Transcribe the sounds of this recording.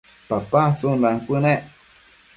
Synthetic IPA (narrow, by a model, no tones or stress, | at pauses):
papat͡sunlaŋkʷɨneʔ